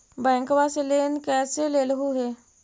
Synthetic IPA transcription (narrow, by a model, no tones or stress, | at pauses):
bɛ̃ːŋkʋaseleːnkɛːseleːlɦuɦeː